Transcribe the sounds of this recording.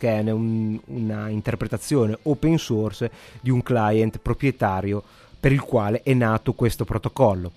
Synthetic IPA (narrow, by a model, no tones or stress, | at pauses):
kɛːneununaint̪erpɾet̪at̪sːjoːneopensorsd̪iuŋklajent̪pɾopɾjet̪aːɾjo | peɾilkwaːleʔɛnːaːt̪okwest̪opɾot̪okɔlːo